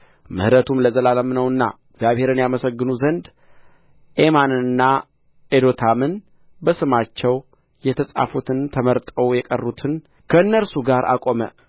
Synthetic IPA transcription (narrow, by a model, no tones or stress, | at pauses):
mɨ̰hɨɾət̪ʰumləzəlaləmnəwɨnːa̰ɨɡzjaβhe̞ɾɨnjaməsəɡːɨnuzənd̪ | ʔemanɨɨnːa | ed̪o̞t̪ʰamɨn | bəsɨmat͡ʃːɛw | jɛt̪ʰəsʼa̰fut̪ʰɨnt̪ʰəməɾt̪ʼəwjɛkʼərːut̪ʰɨn | kʰəɨnːəɾsuɡaɾʔa̰kʼo̞mə̰